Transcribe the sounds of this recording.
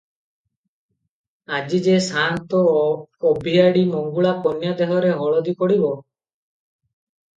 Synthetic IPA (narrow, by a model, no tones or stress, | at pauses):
ad͡ʒid͡ʒesant̪ɔːbʱiaɽimɔŋɡuɭapɔnjad̪eɦɔɾeɦɔɭɔd̪ikɔɽibɔ